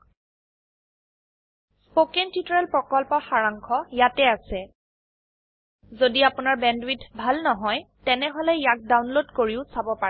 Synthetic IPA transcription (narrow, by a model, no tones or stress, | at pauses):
spokentitɔɹɛlpɹɔkɔlpɔxaɹaŋkʰɔjatɛasɛ | zodiapʊnaɹbɛndwidbʱalnɔɦɔjtɛnɛɦolɛjak̚dawnlodkoɹiʊsabɔpa